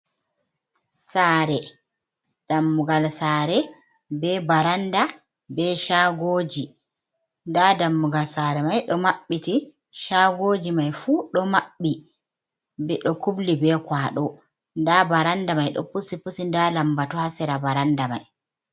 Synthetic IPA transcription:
saːɾɛ | d̥amːuɡalsaɾɛ | bɛbaɾanda | bɛʃaɡoːd͡ʒi | ndadamːuɡalsaɾɛmajɗɔmaɓːiti | ʃaɡoːd͡ʒimajfuɗɔmaɓːi | bɛɗɔkublibɛkwaːɗɔ | ndabaɾandamajɗɔ̰pusipusindalambatɔhasɛɾabaɾandama̰j

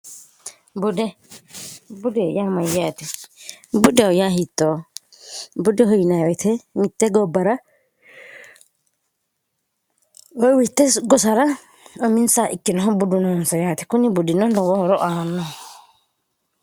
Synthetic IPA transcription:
budɛ | budɛjamajat̪ʰɛ | budɛɔjaɦit̪ːɔ | budɛɦɔinawɛt̪ʰɛmit̪ːɛɡɔbaɾa | ɔwit̪ɛɡɔsaɾa | ɔminsaʔikːinɔɦɔbudunɔnsajaːt̪ʰɛ̥kunibudinɔndɔwɔhɔɾɔʔaːnɔ

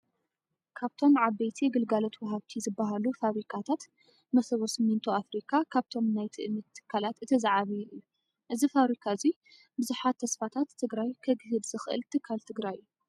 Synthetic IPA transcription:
kʰaβt̪ʰo̞mʕaβːejt̪ʰiɡɨlɡalo̞t̪wɔɦaβt̪ʰizɨbːaɦalufaβɾikʰat̪ʰat̪ | mɐsɐβosɨmːint̪ʰuafɾikʰakʰaβt̪ʰo̞mnajt̪ʰɨʔɨmit̪ʰːɨ̥kʰːalat̪ɨt̪ʰɐzaʕaβijʔiju | ʔɨzifaβɾikʰazi | bɨzuħat̪ʰːɐsfat̪ʰat̪ʰːɨɡɾajkʰɐɡɨɦɨd̪zɨxʔɨ̰lt̪ʰɨkʰːalt̪ʰɨɡɾaju

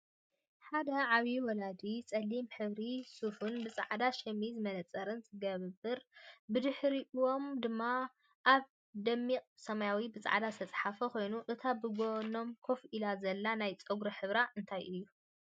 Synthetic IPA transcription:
ħad̪ɐʕaβiwɔlad̪it͡sʼɐlːimħɨβɾisufunbɨt͡sʼa̰ʕd̪aʃɐmizɨmɐnɐt͡sʼɐɾɨnzɨɡɐβɨbɨɾbɨd̪ɨħɾiʔɨwo̞md̪ɨmːa | ʔaβ | d̪ɐmːiqʼsɐmajawibɨt͡sʼa̰ʕad̪ast̪ʰɐt͡sʼħafɐko̞jnuʔɨt̪ʰabɨɡono̞mkʰofʔilazɐlːanajt͡sʼɐɡɾɐħɨβɾaʔɨnt̪ʰajʔɨjːu

